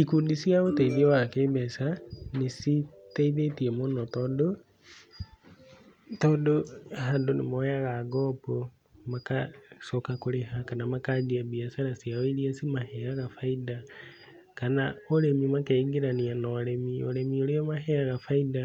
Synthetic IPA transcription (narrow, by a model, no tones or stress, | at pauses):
ikudisiaɣoteiðiɛwakeːbɛsanesiteiðetiɛmonɔtɔːdo | tɔːdohandonemɔaɣaɡɔːpo | makasɔkakoɾehakanamakad͡ʒiaβiasaɾasiaweiɾiasimahɛaɣafaida | kanaoɾemimakeiɡeɾanianɔɾemioɾemioɾeɔmaɦɛaɣafaiða